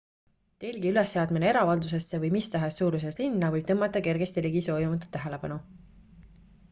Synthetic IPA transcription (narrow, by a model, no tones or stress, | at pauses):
t̪e̞lʲɡiylesːeɑd̪mineeɾɑvɑld̪us̬e̞sːevɤjmist̪ɑɦesːuːɾus̬e̞slinːɑvɤjb̥̚t̪ɤmːɑt̪ːˑɑke̞rɡ̥est̪iliɡiso̞ːjimɑt̪ːˑu̥t̪ːæɦe̞le̞pɑnu